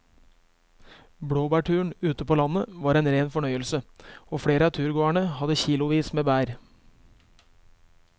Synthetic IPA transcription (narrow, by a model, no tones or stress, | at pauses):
bɽoːbæːʈʰʉːɳ̩ʉːt̪əpʰoːlɑnəʋɑːɾeːnɾeːnfɔɳœʏəlsəoːfɽeːɾəɑːt̪ʰʉːɾɡoːæɳəhɑd̪əçiːlʊʋiːsmeːbæːɾ